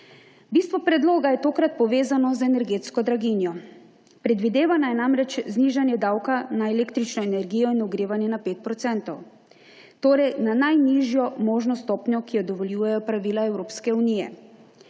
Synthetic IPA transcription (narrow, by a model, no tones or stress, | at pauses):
bist̪ʋɔpɾɛd̪loːɡajɛt̪oːkɾat̪̚pɔʋeːzanɔzɛnɛɾɡeːt̪skɔd̪ɾaɡinjɔ | pɾɛd̪ʋid̪eːʋanajɛnamɾɛt͡ʃzniːʒanjɛd̪awkanaɛlekt̪ɾit͡ʃnɔɛnɛɾɡijɔinuɡɾeːʋanjɛnapeːt̪̚pɾɔt̪sɛnt̪ɔw | t̪oːɾɛjnanajniʒjɔmoːʒnɔst̪ɔːpɲɔkijɔd̪ɔʋɔljuːjɛjɔpɾaʋiːlaɛwɾoːpskɛunijɛ̰